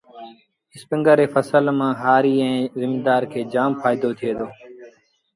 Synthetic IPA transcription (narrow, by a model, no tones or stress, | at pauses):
ɪspɪ̃ŋɡəɾeːfəsəlmãːɦaːɾiːɛ̃ːzɪmiːd̪aːɾkʰeːd͡ʒaːmpʰaːɪd̪oːt̪ʰɪjeːd̪oː